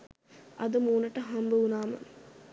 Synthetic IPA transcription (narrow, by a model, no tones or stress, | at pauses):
ɐd̪əmuːnəʈəɦɐmbəunaːmə̰